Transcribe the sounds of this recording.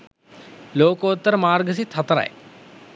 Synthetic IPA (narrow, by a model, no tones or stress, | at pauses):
loːkoːt̪ːɐɾmaːɾɡəs̬it̪ʰɐt̪ɾɐ̰j